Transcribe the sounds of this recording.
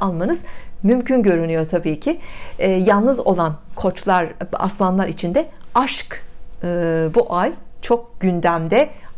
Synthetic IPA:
alˠmanɯzmymcʰynɟø̞ɾynyjo̞t̪ʰabiːcʰɪːjalˠnɯzo̞lˠankʰo̞t͡ʃlˠaɾa̰slˠanlˠaɾit͡ʃʰind̪ɛ | aʃkɯbuʔajt͡ʃʰo̞k̚ɟ̥ynd̪æmd̪ɛ

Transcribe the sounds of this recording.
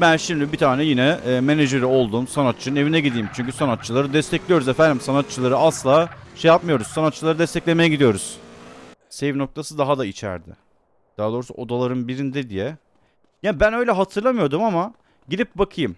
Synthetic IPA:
bænʃimd̪ibit̪ʰaːnɛjinɛme̞neʒeɾio̞lˠd̪uːmsanat̪̚t͡ʃʰɯnɯne̞vinɛɟid̪iːmt͡ʃʰyɲcysanat̪̚t͡ʃʰːɯlˠaɾɯd̪ɛst̪ʰɛclʲijo̞ɾuzeɛfænd̪imsanat̪̚t͡ʃʰːɯlˠaɾɯasllˠaːʃejapmɯjo̞ɾuz̥sanat̪t͡ʃːɯlˠaɾɯd̪ɛst̪ʰɛclʲemejɛɟid̪ijo̞ɾuz̥ | sɛvno̞k̚t̪ʰasɯd̪aɦad̪ait͡ʃʰæ̰ɾd̪ɪ̰ | d̪̥aɦad̪o̞ːɾusṵo̞d̪alˠaɾɯnbiɾind̪ɛd̪ijɛ | jaːbænø̞jlʲɛɦat̪ʰɯɾlˠamɯjo̞ɾd̪umama | ɟid̪ʲip̚bakʰɯjɯm

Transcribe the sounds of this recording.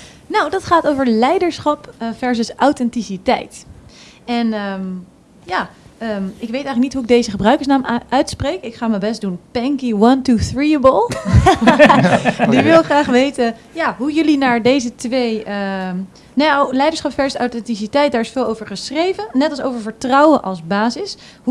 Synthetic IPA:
nowdɑtχaːtowvəɹlɛjdəɹsχɑpfɛɹsəsawtɛntisitɛ̰jt | ɛnəm | jaːəɪkʋejtɛjχələk̚nitɦuɪɡ̚dejzəχəbrœɥkəɹsnaːmʔœɥtsprejkɪkχaːməbɛstdunpɛŋkiwɑntuθɹiəbəlˠ | diʋɪlˠχraːχʋejtə | jaːɦujɵlinaːɹdejzətʋejə | nejolɛjdəɹsχɑpfɛɹsəsa̰wtɛntisitɛjt̚daːɹɪsfɪːlˠowvəɹχəsrejvənɛtɑlˠsowvəɹvəɹtrɑwənʔɑ̰lˠzbaːzɪs | ɦu

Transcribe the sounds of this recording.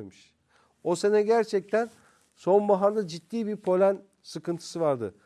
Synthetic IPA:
mɯʃ | o̞senɛɟæɾt͡ʃʰɛc̚t̪ʰæn | so̞nbaɦand̪ad͡ʒit̪ːiːbiɾpʰo̞lʲæn | sɯkʰɯnt̪ʰɯ̥sɯvaɾd̪ɯ̰

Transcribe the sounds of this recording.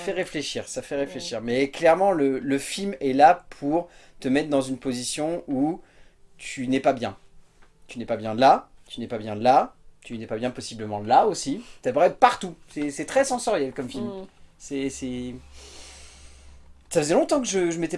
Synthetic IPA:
fɛʁefleʃiʁsafɛʁefleʃiʁmɛklɛʁmɑ̃lələfilmɛlapʰuʁt̪əmɛt̪χd̪ɑ̃zynpozisjɔ̃u | t̪ʰynɛpabjɛ̃ | t̪ynɛpabjɛ̃lat̪ynɛpabjɛ̃lat̪ynɛpabjɛ̃pɔsibləmɑ̃laosit̪yapʁɛpaʁt̪usɛsɛt̪χɛsɑ̃sɔʁjɛlkɔmfilmsɛsɛ | safəzɛlɔ̃t̪ɑ̃kəʒəʒəmɛt̪ɛ

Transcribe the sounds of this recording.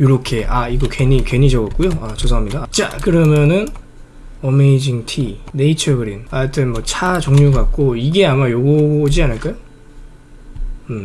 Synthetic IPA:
juɾʌkʰe̞aiɡʌkweɲikwe̞ɲid͡ʑʌɡʌk͈ujoat͡ɕosʰʌɦamɲidat͡ɕ͈a̰kɯɾʌmjʌnɯn | ʌmeid͡ʑiŋtʰiːe̞it͡ɕʰʌɡɯɾinat͈ɯnmʌt͡ɕʰat͡ɕoŋɲuɡak̚k͈oiɡe̞amajoɡood͡ʑianɯɭk͈ajo | ɯ

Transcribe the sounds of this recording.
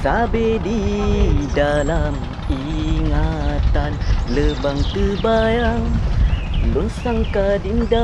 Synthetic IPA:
sabedi | dalam | i | ŋat̪anləbaŋt̪əbajaŋ | lonsaŋkadinda

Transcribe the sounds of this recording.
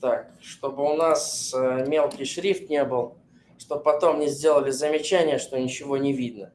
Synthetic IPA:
t̪ak̚ʂt̪o̞bəʊnasəmʲe̞lˠkʲɪjʂɾʲift̪nʲebɨlˠ | ʂt̪o̞b̚pɐt̪o̞mnʲɪzʲdʲe̞lˠəlʲɪzəmʲɪt͡ɕænʲɪjəʂt̪o̞nʲɪt͡ɕɪvo̞nʲɪvʲid̪̚nə

